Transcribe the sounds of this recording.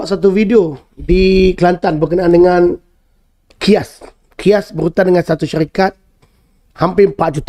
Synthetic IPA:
ʔsat̪̬uvideo | dikəlant̪anbərkənaandəŋan | kʰias | kʰiasbəɾut̪andəŋansat̪uʃaɾikat̪̚ | hampempaʔ̚d͡ʒut̪

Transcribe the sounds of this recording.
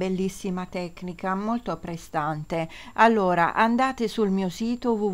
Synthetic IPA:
elːisːimat̪ɛkːnikamolt̪opɾest̪ant̪ealːoːɾa̰ʔand̪aːt̪esulmiːosiːt̪ovu

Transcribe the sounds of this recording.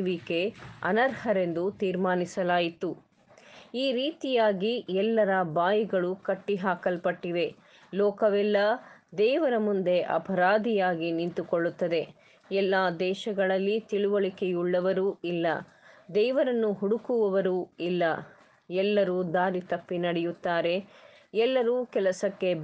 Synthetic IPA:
ʋike̞ɐ̰nɐɾhɐɾe̞nd̪ut̪iːɾmaːnisɐlaːjit̪u | iːɾiːt̪ijaːɡiɛlːɐɾɐbaːjiɡɐɭukɐʈːiɦaːkɐlpɐʈːiʋ̪e̞ | lɔːkɐʋɛlːɐd̪ɛːʋɐɾɐmund̪e̞ʔɐ̰pʰɐɾaːd̪ijaːɡinint̪ukoɭːut̪ːɐd̪e̞ | ɛlːaːd̪ɛːʃɐɡɐɭɐlːit̪iɭuʋɐɭike̞juɭːɐʋɐɾuːilːɐ̰ | d̪ɛːʋɐɾɐnːuɦuɽukuʋɐʋɐɾuːilːɐ | ɛlːɐɾuːd̪aːɾit̪ɐpːinɐɽɛjut̪ːaːɾe̞ | ɛlːɐɾuːkɛlɐsɐkːe̞

